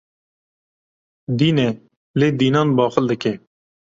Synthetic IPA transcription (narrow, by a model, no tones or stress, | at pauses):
d̪iːnɛ | leːd̪iːnɑːnbɑːxəld̪əkɛː